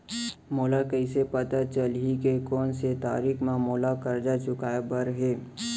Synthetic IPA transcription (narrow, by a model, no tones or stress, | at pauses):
moːlakəɪsepɐt̪at͡ʃəlɦikekɔːnset̪a̰ːɾikʰmãmoːlakɐɾd͡ʒat͡ʃʊkaːebəɾɦeː